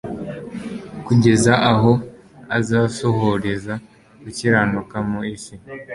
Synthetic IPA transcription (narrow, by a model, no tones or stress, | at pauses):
kuɟe̞zaʔaɦo̞ | azaːso̞ho̞ɾeza | kuciɾanukamuisi